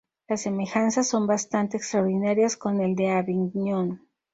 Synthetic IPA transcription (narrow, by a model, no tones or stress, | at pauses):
lasːe̞me̞xansaso̞mbast̪ant̪e̞ːkst̪ɾaoɾðinaɾjasko̞ne̞ld̪e̞aβiŋɲon